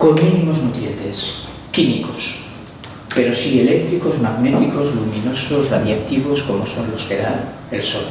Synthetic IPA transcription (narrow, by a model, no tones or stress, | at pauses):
ko̞nmĩnĩmo̞znut̪ɾjent̪e̞s | kimikos | pe̞ɾo̞sielek̚t̪ɾiko̞zmaɣne̞t̪iko̞zlumĩnoso̞zraðjakt̪iβo̞sko̞moso̞nlo̞skeɾa | elsol